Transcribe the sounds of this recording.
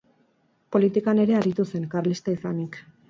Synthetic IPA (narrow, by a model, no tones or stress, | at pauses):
po̞lit̪ikane̞ɾe̞aɾit̪use̞ŋkarlist̪aisanik